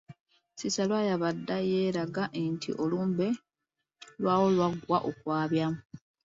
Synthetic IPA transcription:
sisalwajaβadːaje̞ːɾaɡaʔentʰḭʔoluːmbe̞ | lwaːwo̞lwaɡwaʔokwaːβjamu

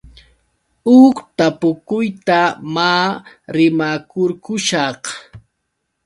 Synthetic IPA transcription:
ʊkt̪apʊkʊjt̪amaːɾɪmakʊɾkʊʃɑχ

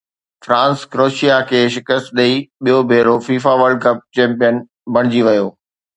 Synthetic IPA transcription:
fɾãːnskɾoːʃijakʰeːʃɪkəst̪̚ɗɐiɓijobʱeːɾofiːfaʋəɾɖ̚kɐp̚t͡ɕɛ̃ːmpijən | bʱɐɽ̃ɪd͡ʑiʋɐjoː

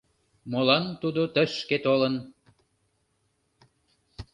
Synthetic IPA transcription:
molɑnt̪ud̪ot̪əʃket̪olən

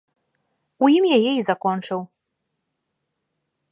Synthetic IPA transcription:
ujimjajɛizakɔnt͡ʂɨw

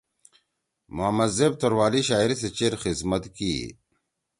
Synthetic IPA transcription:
moamɐzeːb̚t̪oɾwaːliɕaːiɾis̬et͡ɕeɾxizmət̪kḭ

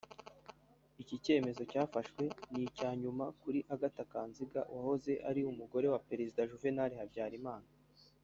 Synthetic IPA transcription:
icice̞ːme̞zo̞caːfaʃwe̞nicaːɲumakuɾiʔaɡatakaːnziɡawʔaho̞ze̞ʔa̰ɾiumuɡo̞ɾe̞wape̞ɾezidaʒuve̞naɾehabɟaːɾimaːna

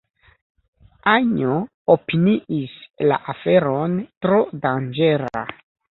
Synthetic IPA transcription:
aɲo | opiniʔisla̰ʔafe̞ɾo̞ntɾo̞dand͡ʒe̞ɾa̰

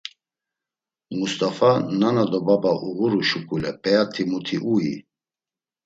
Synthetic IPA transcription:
must̪ʼafananad̪ɔbabaʔuɣuɾuʃukʰʼulɛpʼɛat̪ʰimut̪ʰiʔuḭ

